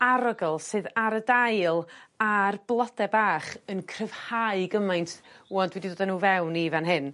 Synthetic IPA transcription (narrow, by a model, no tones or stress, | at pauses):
aɾɔɡɔlˠsɨːðaɾədajlˠarblˠɔdɛbaːχənkʰrəv̥haɨɡəmajntʰwɔndwɛdidoːdanuːvɛwnivanɦɨn